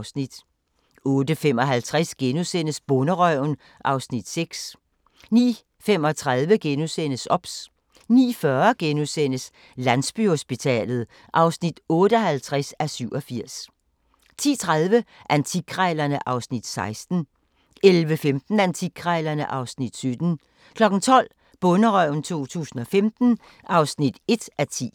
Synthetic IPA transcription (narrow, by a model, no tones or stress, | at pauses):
snid̥ | ɔ̽ːd̥əfem̰ɒ̽ɦælt͡sʰʁasɡ̥enusen̰əsb̥ɔ̽nəʁœʊn | ʔɑ̈ʊsnid̥seɡ̥s | nḭː | fem̰ɒ̽t͡sʰʁaðˠʋəɡ̥enusen̰əsɒ̽b̥s | nḭːfɶɐɡ̥enusen̰əs | lænsb̥yho̝sb̥it͡sʰɛ̰ːlð̞̩ˠ | ʔɑ̈ʊsnid̥ɔ̽ːɾ̥əɒhælt͡sʰʁɛsæsyʊ̰ɒ̽fiɐ̰s | t͡sʰḭːt͡sʰʁað̞ˠʋəʔænt͡sʰiɡ̥ʰʁɛɪlɐnəʔɑ̈ʊsnid̥sɑ̈ɪsd̥n̩ | ʔelʋəfemd̥n̩ænt͡sʰiɡ̥ʰʁɛɪlɐnəʔɑ̈ʊsnid̥sød̥n̩ | kʰlɒ̽ɡ̥n̩t͡sʰɒ̽l̰ | b̥ɔ̽nəʁœʊ̰n̩t͡sʰo̝̰ːt͡sʰṵːsn̩ɒ̽femd̥n̩ | ʔɑ̈ʊsnid̥e̝d̥ʔæt͡sʰḭː